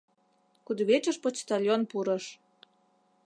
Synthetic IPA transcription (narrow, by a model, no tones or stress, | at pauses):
kud̪βet͡ɕəʃpot͡ɕt̪alʲjonpuɾəʃ